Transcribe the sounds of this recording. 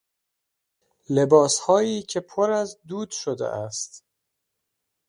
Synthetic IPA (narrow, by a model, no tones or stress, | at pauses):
le̞bɒːshɒːiːcʰe̞pʰoɾæzd̪uːd̪ʃod̪ḛʔæst̪